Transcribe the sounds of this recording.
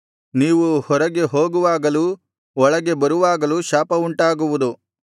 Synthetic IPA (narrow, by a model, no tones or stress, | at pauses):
niːʋuhɔɾɐɡe̞ɦoːɡuʋaːɡɐlu | ɔɭɐɡe̞bɐɾuʋaːɡɐluʃaːpɐuɳʈaːɡuʋud̪u